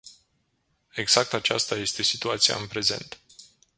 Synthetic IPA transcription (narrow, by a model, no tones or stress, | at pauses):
e̞ɡz̥ak̚t̪at͡ʃast̪aje̞st̪e̞sit̪uat̪sija̰ɨnpɾe̞ze̞̰nt̪